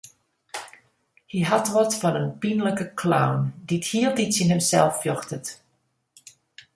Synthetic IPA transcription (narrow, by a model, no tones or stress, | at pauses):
hiɦatʋɔtfɔnənpinləkəkʰla̰wndithiəlˠditsinɦəmsɛlˠfːjɔxtət